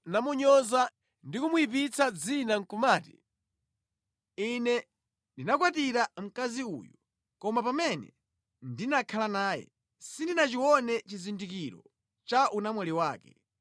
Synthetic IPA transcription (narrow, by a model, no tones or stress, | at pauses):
namuɲɔza | ndikumuipit͡sʰad͡zinaŋ̩kumaːti̥ | inɛ | ndinakwatiɾam̩kaziṵːjɔ | kɔmapamɛnɛ̰ | ndinakʰalanaːjɛ̰ | sindinat͡ʃiwɔnɛt͡ʃizindikiɾɔ̰ | t͡ʃaʔunamwɛliwaːkɛ̥̰